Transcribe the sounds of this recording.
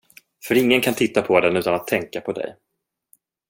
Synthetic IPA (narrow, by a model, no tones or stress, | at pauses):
fœɾɪŋːənkʰant̪ʰɪt̪ːapʰɔd̪ɛnʉ̟ːt̪anat̪ʰːɛŋkapʰɔd̪ɛ̰j